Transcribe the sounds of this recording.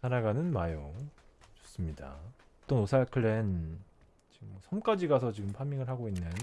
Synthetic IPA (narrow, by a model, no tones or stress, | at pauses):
sʰanaɡanɯnmajoŋ | t͡ɕo̥s͈ɯmɲida̰ | ʌt͈ʌnosʰaɭkʰɯɭen | t͡ɕiɡɯmmʌsʰʌmk͈ad͡ʑiɡasʰʌt͡ɕiɡɯmpʰamːiŋɯɭhaɡoinːɯn